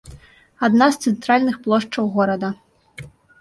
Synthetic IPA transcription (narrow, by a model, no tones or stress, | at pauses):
ad̪nast̪sɛnt̪ɾalʲnɨxplˠɔʂt͡ʂɐwɣɔɾɐd̪ɐ